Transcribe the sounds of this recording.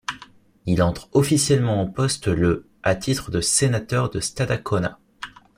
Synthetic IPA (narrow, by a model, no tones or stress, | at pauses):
ilɑ̃t̪χɔfisjɛlmɑ̃ɑ̃pɔst̪lə | at̪ʰit̪χəd̪əsenat̪œʁd̪əst̪ad̪akʰɔna̰